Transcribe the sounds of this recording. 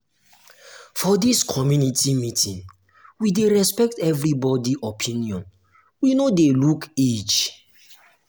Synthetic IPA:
fɔdiskʰɔmjunitʰimitʰĩŋ | wideɹɛspɛk̚tɛvɹibɔdiʔɔpʰĩniɔ̃n | winodeluked͡ʒ

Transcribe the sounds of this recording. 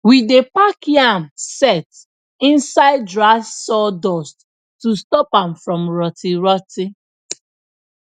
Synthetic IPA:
widepakiãmsɛt | ĩnsaɪd̚dɹasːɔdɔst | tustɔpãmfɹɔ̃mɹɔtiɹɔti

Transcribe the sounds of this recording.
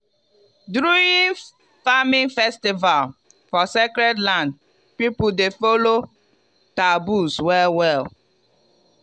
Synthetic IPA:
dɾuin | famĩnfɛstival | fɔsekɾɛdlãnd̚ | pipʊdefolo | tabuswɛlwɛl

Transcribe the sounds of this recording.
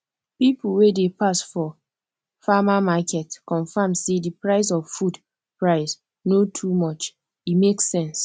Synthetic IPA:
pipuwedepasfɔ | famamakɛtkɔ̃ɱfãmsedipɹaɪs̬ɔvfud | pɹaɪs | notʰumɔt͡ʃ | imeksɛ̃ns

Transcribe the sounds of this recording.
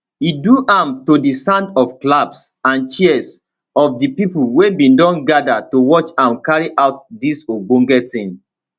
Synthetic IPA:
iduʔãmtodisãndɔfklabsãnt͡ʃis | ɔfdipiplwebĩndɔ̃nɡadatowɔt͡ʃãmkaɹiʔaʊt̚disoɡ͡bõŋɡɛtĩn

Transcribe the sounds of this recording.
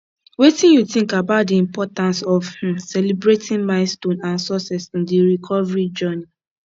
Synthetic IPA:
wetĩnjutĩŋkabaʊt̚diĩmpɔtãnsɔfhĩmsɛlibɹetʰĩnmaɪstõnãnsɔsɛsĩndiɹikʰɔvɹid͡ʒɜni

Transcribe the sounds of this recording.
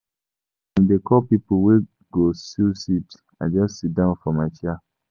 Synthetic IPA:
ɛ̃ndekʰɔpipowe | ɡosilsit | ad͡ʒɔssit̚dãʊ̃nfɔmaɪt͡ʃa

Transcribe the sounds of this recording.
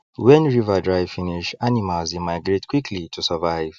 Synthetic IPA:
wɛ̃nɹivadɹajvfiniʃanimalzimaɡɹetkʰwikʰlitʰusəvaɪv

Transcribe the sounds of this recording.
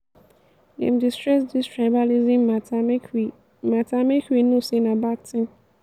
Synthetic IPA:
nɛ̰̃mdistɹɛsdistʰɹaɪbalizĩm | mãtʰamɛkinõsenãbak̚tʰɪ̃m

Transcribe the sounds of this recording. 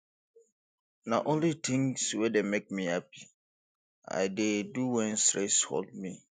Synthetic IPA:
naʔõnlit̪ʰɪ̃ŋswɛdemek̚mihap̚i | a̰ɪdeduwɛ̃nstɹɛsho̰ld̚mi

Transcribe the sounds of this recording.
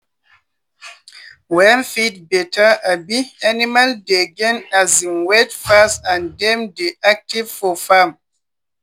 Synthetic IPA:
wɛnfit̚bɛtʰəabianimaldeɡɛ̃nazinwetfastãndɛ̃mdiʔak̚tivfɔfam

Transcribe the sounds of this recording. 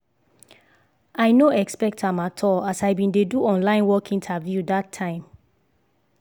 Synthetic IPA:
aɪnoɛkspɛk̚thãmatʰɔlasaɪbĩndeduɔ̃nlãɪ̃nwɔkʰĩntʰavjudatʰãɪ̃m

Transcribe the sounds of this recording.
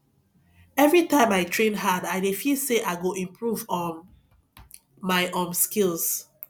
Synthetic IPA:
ɛvɹitãjmaɪtʰɹẽnɦadaɪdefiseʔaɪɡoʔĩmpɹuvɔ | maɪʔɔ̃mskils

